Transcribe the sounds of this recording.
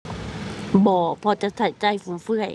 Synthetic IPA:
bɔː˨˧˩pʰɔ˧˦t͡ɕa˧˩t̪ʰa˧˩t͡ɕa˧˩˨jfuː˨˦fɯ˧ə˨j

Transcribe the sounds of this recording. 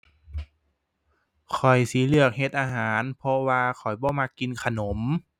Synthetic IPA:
kʰɔ˨˩jsiː˨˦lɯ˧˩ək̚ɦe˧t̪̚ʔaː˧ɦaː˨˩˦npʰɔ˧waː˧kʰɔ˨˩jbɔː˧˦maː˧ki˧nkʰa˧no˩˦m

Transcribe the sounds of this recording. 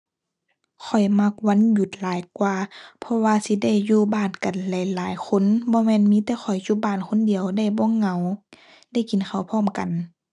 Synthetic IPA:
kʰɔ˨˩jma˧˥k̚wa˧˥˨nju˧˦t̪̚laː˨˦jkwaː˧pʰɔ˧waː˧si˧˦da˧˥˩jːuː˧˨baː˧˩˨nka˨˩nlɛ˨˧˦jlaː˨˦jkʰo˧˥˨nbɔː˧˦mɛː˧˥˨nmiː˧˥t̪ɛː˧˦xɔ˨˩jju˧˦baː˧˩˨nkʰo˧˥˨ndi˨əwda˧˩˨jbɔː˧˥˨ŋːa˧˩w | da˧˥˩jki˨nkʰa˨˩wpʰɔː˧˥˨mka˨n

